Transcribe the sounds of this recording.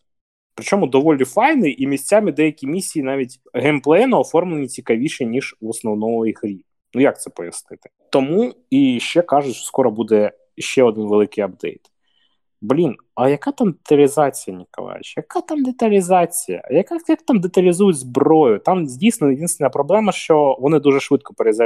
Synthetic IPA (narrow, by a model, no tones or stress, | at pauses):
pɾɪt͡ʃɔmʊd̪ɔʋɔlʲnʲifɑjnɪʔimʲisʲt͡sʲamɪd̪ɛjɐkʲimʲisʲːijːnɑʋʲitʲ | ɦɛmplˠɛɛnɐɔfɔrmlˠenʲit͡sʲikɐʋʲiʃɛnʲiʒʋɔsnɔwnɔmɔjixɾʲi | nujak̚t̪sɛpɔjɐsnɪt̪ɪ̥t̪ɔmu | iʃt͡ʃɛkɑʒʊt͡ʃʲskɔɾɔbud̪ɛ | ʃt͡ʃɛɔd̪ɪnʋelˠɪkɪjɐb̚d̪ɛ̰jt̪ | blʲin | ɐjɐkat̪amd̪et̪ɐlʲizɑt͡sʲijɐnʲikɔ̰lˠɑ̰j̰t͡ʃjɐkat̪ɑmd̪et̪ɐlʲizɑt͡sʲijɐ̰jɐkajakt̪amd̪et̪ɐlʲizujʊtʲzbɾɔjʊt̪ɑmzʲdʲijsnɔjd̪ʲinst̪enɐpɾɔblˠɛmɐʃt͡ʃɔʋɔnɪd̪uʒɛʃʋɪt̪̚kɔpeɾeza